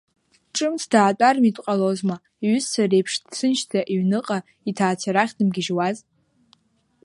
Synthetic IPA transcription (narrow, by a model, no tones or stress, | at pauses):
ʈ͡ʂʼɨmt͡sʰdaːtʼarmitʼqʼalozma | iɥʏssʰarejpʰʂdsʰɨnʃtʰaʔiɥnɨqʼa | itʰaːt͡sʰaɾaχʲdɨmɡʲɪʒwaz